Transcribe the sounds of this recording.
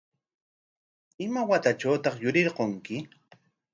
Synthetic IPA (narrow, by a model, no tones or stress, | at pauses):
ɪmawat̪at͡ʃawt̪ɑχjʊɾɪɾqoŋkɪ